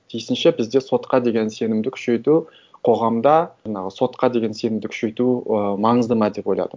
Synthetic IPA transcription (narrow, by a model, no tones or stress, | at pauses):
t̪ʰijsɪnʃebɪzd̪e̞so̞t̪qɑd̪e̞ɡʲe̞nse̞nɪmd̪ɪkʲʰʏ̥ʃe̞jt̪u | qʰo̞ʁɑmd̪ɑɑɴɑʁəso̞t̪qɑd̪e̞ɡʲe̞nse̞nɪmd̪ɪkʲʰʏ̥ʃe̞jt̪umɑɴəzd̪əmɑd̪e̞po̞jlˠɑ̰d̪ə